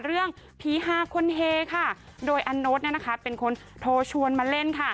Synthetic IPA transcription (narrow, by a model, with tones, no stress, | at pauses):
ɾɯ˥˩əŋ | pʰiː˨˦ɦaː˧˥kʰo˧nɦeː˧kʰa˥˩ | doː˧jʔa˧nːo˦˥t̪̚ni˥˩˨na˦˥kʰa˦˥pe˨nkʰo˧n | t̪ʰoː˧t͡ɕʰu˧ənmaː˧le˥˩nkʰa˥˩